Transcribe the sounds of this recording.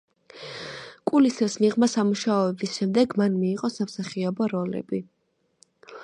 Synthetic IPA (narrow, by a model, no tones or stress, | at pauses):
kʼulisɾsmiʁmasamuʃaɔɛbisʃɛmd̪ɛɡmanmiːʁʼɔsamsaχiɔbɔɾɔlɛ̰bi